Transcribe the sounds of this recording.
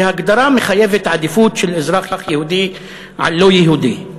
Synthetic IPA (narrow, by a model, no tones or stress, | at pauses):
haɡd̪ɑɾˤɑːmɪxajafɪt̪ʕad̪ɪfuːt̪ʃilʔɪzɾˤɑːxjɑːxjahuːd̪iː | ʕa̰lːoːjaɦuːd̪i